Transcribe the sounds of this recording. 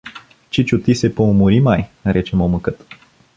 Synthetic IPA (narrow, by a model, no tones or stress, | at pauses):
t͡ʃit͡ʃut̪isepoumuɾimajɾʔet͡ʃemoməkɨt̪